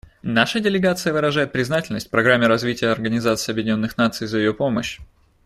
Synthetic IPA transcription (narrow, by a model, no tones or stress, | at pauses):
naʂədʲɪlʲɪɡat̪sɨjəvɨɾɐʐajɪt̪̚pɾʲɪznatʲɪlʲnəsʲtʲfpɾɐɡɾamʲːɪɾɐzvʲitʲɪjəɐrɡənʲɪzat̪sɨiːɐbjɪdʲɪnʲo̞nːɨxnat̪sɨjzəjɪjo̞po̞məɕ